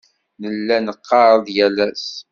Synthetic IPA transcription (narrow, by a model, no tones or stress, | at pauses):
nəlːænəqːɑɾˤəðˤjælæs